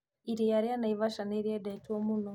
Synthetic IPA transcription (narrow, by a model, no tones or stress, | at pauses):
iɾijaɾianaiβaʃaneɾiedatiomuno